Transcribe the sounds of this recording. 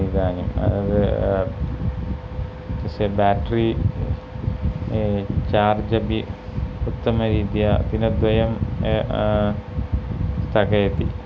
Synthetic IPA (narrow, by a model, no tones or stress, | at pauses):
id̪aːnimɐ̰ðɐðɨ | tɐsebaːʈri | t͡ɕaːrd͡ʑɐbiut̪ːɐmɐɾiːd̪jɐd̪inɐd̪ʋɐjɐm | st̪ʰɐkɐjɐt̪ːi